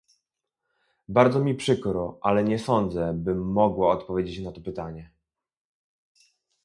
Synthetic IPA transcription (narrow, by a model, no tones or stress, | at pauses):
baɾd̪zɔmʲipʂɘkɾɔʔalɛɲɛsɔnd̪zɛbɘmːɔɡwaɔt̪pɔvʲjed͡ʑet͡ɕnat̪ɔpɘt̪aɲɛ